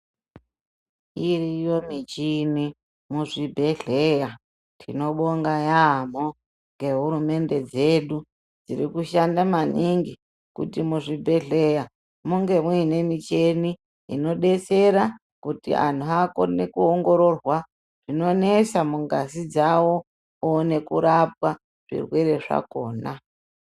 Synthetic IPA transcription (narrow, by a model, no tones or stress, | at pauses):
irijo̞mit͡ʃini | muʐibʱe̞ɮeja | tʰino̞ɓoŋɡajam̤o | ŋɡe̞ɦuɾume̞nde̞d͡ze̞ɗu | d͡zḭɾikuʃandamaniŋɡi | kṵtimuʐibʱe̞ɮe̞ja | muŋɡe̞muine̞mit͡ʃe̞ni | ḭno̞ɗe̞t͡se̞ɾa | kutḭa̰n̤uako̞̰ne̞kuoŋɡo̞ɾo̞rwa | ʐ̥ino̞ne̞samuŋɡasid͡zawo̞ | one̞kuɾap̚wa | ʐ̥ḭrwe̞ɾe̞ʐa̰ko̞ːna